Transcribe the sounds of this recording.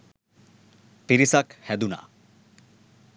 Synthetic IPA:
piɾisakhɛd̪una̰

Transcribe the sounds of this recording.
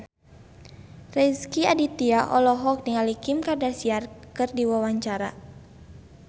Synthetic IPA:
rɛskiadit̪iaʔɔlɔɦɔk̚diŋalikimkardasiarkɨrdiwawaɲt͡ʃaɾa

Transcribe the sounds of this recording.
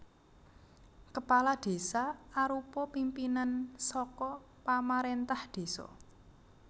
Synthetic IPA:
kəpalad̥e̤saaɾupɔpimpinansɔkɔ | pamaɾent̪ahd̥e̤sɔ̰

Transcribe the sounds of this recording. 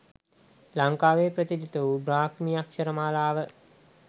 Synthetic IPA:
laŋkaːʋeːprət̪id̪it̪əubɾaːkmiakʃɐɾəmaːlaːʋə

